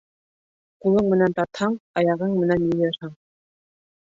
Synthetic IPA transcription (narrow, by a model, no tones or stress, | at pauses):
qulˠɤɴmɘ̆nænt̪ɑt̪hɑɴɑjɑʁɤɴmɘ̆nænjɵ̆jɑ̆ɾhɑɴ